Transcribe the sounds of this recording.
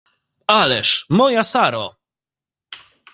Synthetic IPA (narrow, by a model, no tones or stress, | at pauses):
alɛʂmɔjasaɾɔ̰